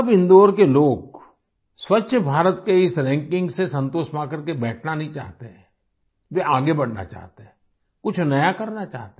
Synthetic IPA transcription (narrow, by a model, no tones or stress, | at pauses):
ɐbɪ̃nd̪oːɾkeloːɡ | swɐtːʃʰəbʱaːɾət̪keɪsɾɛ̃ːŋkɪ̃ŋɡsesɐ̃nt̪oːʃmãkəɾkebɛːʈʰnanɐɦĩt͡ʃa̰ːɦt̪eɦɛ̃ː | ʋeaːɡebɐɽ̤na̰t͡ʃa̰ːɦt̪eɦɛ̃ | kʊt͡ʃʰnɐjakɐɾnat͡ʃa̰ːɦt̪e